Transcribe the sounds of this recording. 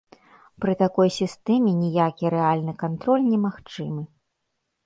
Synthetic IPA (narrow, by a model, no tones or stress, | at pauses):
pɾɨt̪akɔjsʲist̪ɛmʲɛnʲijakʲiɾɛalʲnɨkant̪ɾɔlʲnʲɛmaxt͡ʂɨmɨ